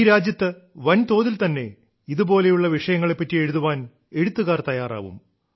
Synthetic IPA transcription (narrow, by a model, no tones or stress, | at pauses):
ɾaːd͡ʑjɐt̪ːɨ | ʋɐnt̪o̞ːðilt̪ɐnːe̞̰ | iðubo̞ːle̞juɭːɐʋiʂɐjɐŋːɐɭe̞pːɐtːie̞ɻuðuʋaːn | e̞ɻut̪ːuɣaːrt̪ɐjaːra̰ːʋṵm